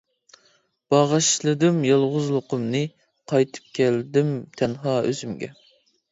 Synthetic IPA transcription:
b̥ɑʁɑʃlˠɨd̪ɨmjɑlˠʁʊzlˠʊqʊmnɨ | qʰɑjt̪ʰɨ̥p̚kʲʰɛld̪ɪmt̪ʰɛnɦɑːø̰zymɡʲɛ̰

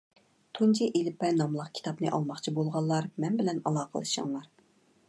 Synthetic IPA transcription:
t̪ʰunt͡ʃʰiʔelɪpːɛnɑmlˠɑqkʲʰi̥t̪ʰɑpnɨ̰ʔɑ̰lˠmɑχt͡ʃʰibolˠʁɑlˠːɑɾmɛnbɪlɛnɑ̰lˠɑːqʰəlˠɨ̰ʃɑ̰ŋlˠɑɾ

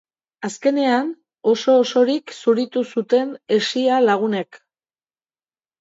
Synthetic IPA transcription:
aske̞ne̞an | o̞so̞ːso̞ɾiksuɾit̪usut̪e̞ne̞sialaɣ̞une̞k

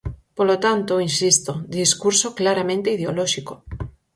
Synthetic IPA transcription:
polot̪ant̪oinsist̪od̪iskuɾsoklaɾamẽnt̪eiðeolɔʃiko

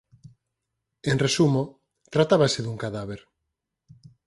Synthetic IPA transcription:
enresumo | t̪ɾat̪aβaseðuŋkaðaβeɾ

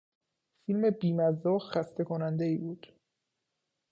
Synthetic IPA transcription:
filme̞biːmæzːɒːxæst̪ʰe̞kʰonænd̪eiːbuːd̪̥

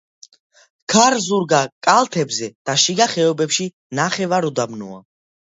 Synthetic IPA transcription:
kʰaɾzuɾɡakʼalˠt̪ʰɛbzɛd̪̥aʃiɡaχɛɔbɛpʃi | naχɛvaɾɔd̪amnṵa̰

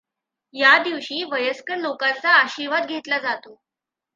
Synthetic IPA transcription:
jad̪iʋɕiːʋəjəskənlokãt͡saːɕiɾʋad̪ɡʱet̪lad͡zat̪o

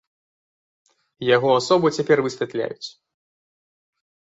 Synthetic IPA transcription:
jaɣɔasɔbɨt͡sʲapʲɛrvɨsʲvʲat̪lʲa̰jut͡sʲ

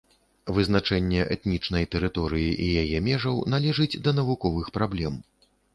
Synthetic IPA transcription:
vɨzn̪at͡ʂɛnʲːɛʔɛ̰t̪nʲit͡ʂnɐjt̪ɛɾɨt̪ɔɾɨjiʔijajɛmʲɛʐɐwnalʲɛʐɨd͡zʲd̪ɐnɐvukɔvɨxpɾablʲɛm

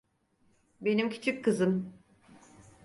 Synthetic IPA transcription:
be̞nimcʰy̥t͡ʃʰykʰːɯzɯm

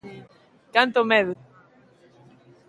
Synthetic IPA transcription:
kant̪omeðu

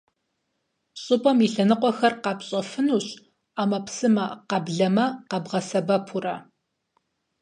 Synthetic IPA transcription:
ɕʼʊpʼɐmiɬɐnɨqʷʼɔxɐrqɑpɕʼɐfɨnuːɕ | aːmɐpsɨmɐqɐbɮɐmɐqɐbʁɐsɐbɐpʰurɐ

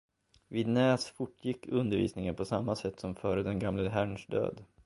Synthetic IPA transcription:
viːd̪nɛːsfʊʈːjɪkːɵnd̪əɾvḭːsnɪŋənpʰɔsamːasɛt̪ːsɔmfœːɾəd̪ɛnɡamləɦæɳʂɖ̪ø̰ːd̪

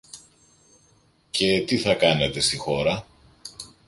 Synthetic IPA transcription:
ce̞t̪iθɐkɐne̞t̪e̞st̪ixo̞ɾɐ

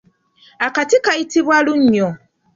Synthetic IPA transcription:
akatɪkaitibwaluɲ̩ɲɔ

